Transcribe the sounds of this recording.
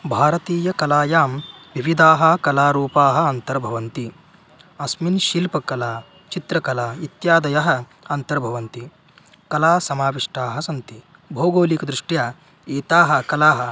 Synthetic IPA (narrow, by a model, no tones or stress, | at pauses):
bʱaːɾɐt̪iːjɐkɐlaːjaːmʋiʋid̪ʱaːɦɐ̆kɐlaːɾuːpaːɦɐ̆ɐnt̪ɐɾbʱɐʋɐnt̪i | ɐsminʃilpɐkɐlaː | t͡ʃit̪ɾɐkɐlaːit̪jaːd̪ɐjɐɦɐ̆ | ɐnt̪ɐɾbʱɐʋɐnt̪i | kɐlaːsɐmaːʋiʂʈaːɦɐsɐnt̪i | bʱoːɡoːlikɐd̪ɾuʂʈjaː | eːt̪aːɦɐ̆kɐlaːɦɐ̆